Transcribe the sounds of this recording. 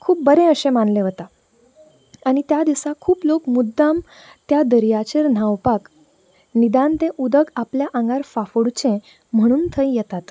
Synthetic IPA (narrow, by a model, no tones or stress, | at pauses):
kʰuːp̚bəɾẽəɕẽmanleʋət̪a | aɽ̃it̪jad̪isãkʰuːplokmud̪ːam | t̪jad̪əɾjat͡ɕeɾn̤aʋpak | nid̪ãnt̪ẽʔud̪əɡapljaʔãŋɡaɾfafuɽt͡ɕẽ | m̤əɽ̃uːnt̪ʰəjjɛt̪at̪